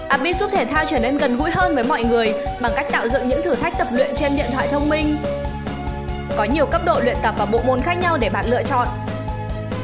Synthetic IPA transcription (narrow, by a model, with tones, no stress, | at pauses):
ʔaː˨˩ɓi˦˥t̚zu˦˥p̚t̪ʰe˧˩t̪ʰaː˧wt͡ɕəː˧˩ne˧nɣə˨˩nɦṵ˧˥jɦəː˧nvəː˨˦jmɔ̰˧˨jŋɨ˨˩əjɓa˨˧˩ŋka˦˥jk̚t̪a̰ː˧˨wzɨ̰˧˨ŋɲɨ̰˧˥ŋt̪ʰɨ˨˩t̪ʰa˦˥jk̚t̪ə˨˩p̚lwḭ˧˨ənt͡ɕe˧nɗḭ˧˨ənt̪ʰwa̰ː˧˨jt̪ʰə˧wŋ͡mmï˧ŋ̟ | kɔ˨˦ɲi˨˩əwkə˦˥p̚ɗo̰˧˨lwḭ˧˨ənt̪ə˨˩p̚vaː˨˩ɓo̰˧˨mo˨˩nxaː˦˥k̚ɲa˧wɗe˧˩ɓa̰ː˧˨nlɨ̰˧˨ət͡ɕɔ̰˧˨n